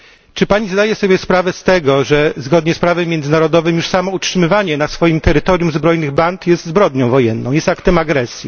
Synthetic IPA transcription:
t͡ʂɘpaɲizd̪ajɛsɔbʲjɛspɾavɛst̪ɛɡɔʐɛzɡɔd̪ɲɛspɾavɛmːjɛnd̪zɘnaɾɔd̪ɔvɘmjuʂsamɔutʂɘmɘvaɲɛnasfɔjimt̪ɛɾɘt̪ɔɾjumzbɾɔjnɘɣbant̪jɛst̪zbɾɔd̪ɲɔ̃w̃vɔjɛnːɔ̃w̃jɛst̪akt̪ɛmaɡɾɛsʲji

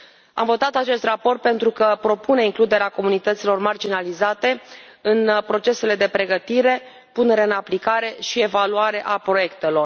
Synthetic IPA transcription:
a̰mvo̞t̪at̪at͡ʃe̞st̪rapo̞rt̪̚pe̞nt̪ɾukəpɾo̞pune̞iŋklud̪e̞ɾeako̞munit̪ət̪silo̞rmard͡ʒinalizat̪e̞ | ɨnpɾo̞t͡ʃe̞se̞le̞d̪e̞pɾe̞ɡət̪iɾe̞ | pune̞ɾeɨnaplikaɾe̞ʃie̞valuaɾe̞ʔapɾo̞je̞kt̪e̞lo̞r

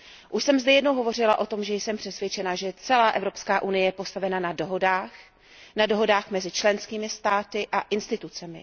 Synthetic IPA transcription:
ʔuʃsɛmzdɛjɛdnowɦo̞vo̞rɪlaʔo̞t̪o̞mʒɛjsɛmpr̥ɛsvjɛt͡ʃɛnaʒɛt͡sɛlaːʔɛvɾo̞pskaːʔunɪjɛjɛpo̞st̪avɛnanadoɦodaːx | nado̞ɦo̞daːxmɛzɪt͡ʃlɛnskiːmɪst̪aːt̪ɪʔaʔɪnst̪ɪt̪ut͡sɛmɪ̰

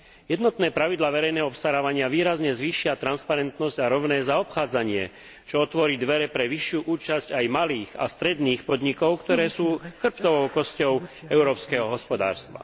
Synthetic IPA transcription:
jɛd̪nɔt̪nɛːpɾaʋid̪laːʋɛɾɛjnɛːɦɔɔpst̪aɾaːʋaɲɪaʋiːɾazɲɛzʋiːʃɪat̪ɾanspaɾɛnt̪nɔzɟaɾɔʋnɛːzaɔpxaːd͡zaɲɪɛ̰ | t͡ʃɔɔt̪ʋɔɾiːd̪ʋɛɾɛpɾɛʋiʃjuːʔuːt͡ʃazcajmaliːɣa̰st̪ɾɛd̪niːxpɔd̪ɲikɔʊkt̪ɔɾɛːsuːxr̩pt̪ɔʋɔʊkɔscɔʊɛʊɾɔːpskɛːɦɔɦɔspɔd̪a̰ːɾst̪ʋa̰

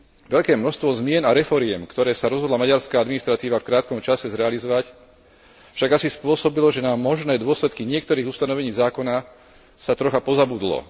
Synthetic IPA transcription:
ʋɛʎkɛːmnɔʃst̪ʋɔzmɪɛnaɾɛfɔɾɪɛmkt̪ɔɾɛːsaɾɔzɦɔd̪lamaɟaɾskaːad̪minist̪ɾat̪iːʋafkɾaːt̪kɔmt͡ʃasɛzɾɛalizɔʋac | fʃaɡasispʊɔsɔbilɔʒɛnamɔʒnɛːd̪ʊɔslɛt̪kiɲɪɛkt̪ɔɾiːɣust̪anɔʋɛɲiːzaːkɔna | sat̪ɾɔxapɔzabud̪lɔ̰

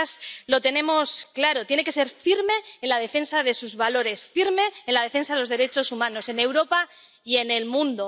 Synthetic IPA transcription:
slo̞t̪e̞nẽ̞mo̞sklaɾo̞t̪jene̞ke̞s̬e̞ɾfiɾme̞ːnlað̞e̞fe̞nsaðe̞suzβalo̞ɾe̞sfiɾme̞ːnlaðe̞fe̞nsaðelo̞zðe̞ɾe̞t͡ʃo̞sumãno̞se̞ne̞wɾo̞pa | ie̞ne̞lmũnd̪o

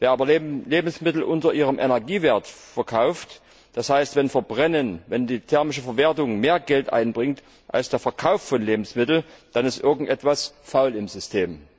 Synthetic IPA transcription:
veːɐaːbɐleːbm̩smɪtl̩ʔʊntɐʔiːʁəmʔɛnɛɐɡiːveːɐtfɛɐkʰaʊft | d̥ashaɪstv̥ɛnfɛɐbʁɛnənvɛndiːtʰɛɐmɪʃ̬əfɛɐveːɐtʊŋmeːɐɡɛltʔa̰ɪnbʁɪŋt | ʔa̰lsd̥eːɐfɛɐkʰaʊffɔnleːbm̩smɪtl̩d̥anɪstʔɪɐɡŋ̩tʔɛtv̥asfaʊlɪmzʏstʰeːm

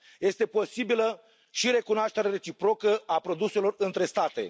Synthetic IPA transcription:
je̞st̪e̞po̞sibilə | ʃiɾe̞kunoaʃt̪eɾeɾe̞t͡ʃipɾo̞kəapɾo̞d̪use̞lo̞rɨnt̪ɾe̞st̪at̪e̞̰

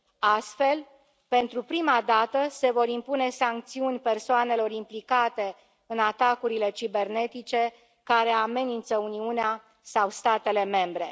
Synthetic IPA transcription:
ast̪fe̞l | pe̞nt̪ɾupɾimad̪at̪əse̞vo̞ɾimpune̞saŋk̚t̪siunʲpe̞rsoane̞lo̞ɾimplikat̪e̞ | ɨnat̪akuɾile̞t͡ʃibe̞rne̞t̪it͡ʃe̞ | kaɾe̞ame̞nint̪səuniunea | sawst̪at̪e̞le̞me̞mbɾe̞̰

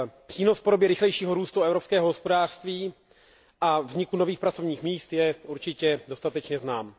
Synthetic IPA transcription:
pr̥iːnosfpo̞do̞bjɛɾɪxlɛjʃiːɦoɾuːst̪uɛvɾopskɛːɦoɦospo̞daːr̥st̪viː | ʔavzɲɪkunoviːxpɾat͡so̞vɲiːxmiːst̪jɛuɾt͡ʃɪcɛdo̞st̪at̪ɛt͡ʃɲɛznaːm

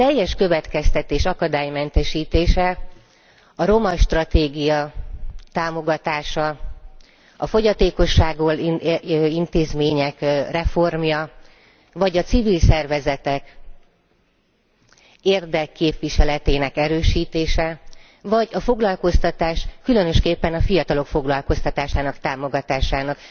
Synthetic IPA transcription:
t̪ɛjːɛʃkø̞vɛt̪kɛst̪ɛt̪eːʃɒkɒd̪aːjmɛnt̪ɛʃiːt̪eːʃɛ | ɒɾo̞mɒʃt̪rɒt̪eːɡijɒt̪aːmo̞ɡɒt̪aːʃɒ | ɒfo̞ɟɒt̪eːko̞ʃːaːɡol | int̪eːzmeːɲɛkrɛfo̞rmjɒ | vɒɟɒt̪sivilsɛrvɛzɛt̪ɛk | eːrd̪ɛkːeːpʋiʃɛlɛt̪eːnɛkɛɾøːʃiːt̪eːʃɛ | vɒɟɒfo̞ɡlɒlko̞st̪ɒt̪aːʃkylø̞nø̞ʃkeːpːɛnɒfijɒt̪ɒlo̞kfo̞ɡlɒlko̞st̪ɒt̪aːʃaːnɒkt̪aːmo̞ɡɒt̪aːʃaːnɒk

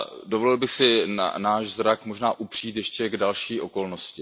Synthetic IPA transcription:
dovolɪlbɪxsɪna̰naːʃzɾakmo̞ʒnaːʔupr̥iːt̪jɛʃcɛɡdalʃiːʔo̞ko̞lnoscɪ

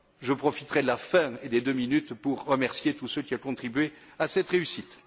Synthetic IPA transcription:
ʒəpχɔfit̪ʁɛd̪əlafɛ̃ed̪ed̪øminyt̪puʁːəmɛʁsjet̪usøkʲiakɔ̃t̪χibɥe | asɛt̪ʁeysit̪

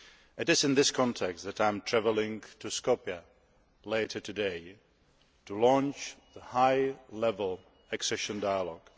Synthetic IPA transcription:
ʔɨɾɨzɨ̃nðɪskʰɑ̃ntʰɛks̚ðɨɾãɪ̃mtʰɹ̥ævlˠɪ̃ŋtʰɨskopjə | leɪɾə˞tʰɨdeɪ | tʰəlɔ̃nt͡ʃðəhaɪlɛvəl̩ˠ | ɨksɛʃə̃ndaɪəlɔɡ̥

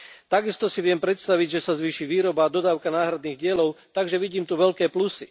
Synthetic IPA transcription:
t̪aɡist̪ɔsiʋɪɛmpɾɛt̪st̪aʋiɟʒɛsazʋiːʃiʋiːɾɔbaːd̪ɔd̪aːʊkanaːɦɾad̪niːɣɟɪɛlɔʊt̪aɡʒɛʋiɟiːmt̪uʋɛʎkɛːplusi

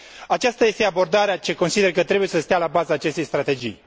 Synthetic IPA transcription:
at͡ʃast̪aje̞st̪e̞abo̞rd̪aɾeat͡ʃe̞ko̞nsid̪erkət̪ɾe̞bujesəst̪jalabazaːt͡ʃe̞st̪ejst̪ɾat̪e̞d͡ʒḭj

